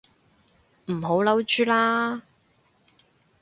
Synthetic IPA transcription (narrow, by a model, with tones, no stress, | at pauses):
m̩˨˩ɦo˨˥wlɐ˨˥wt͡ʃyː˥laː˥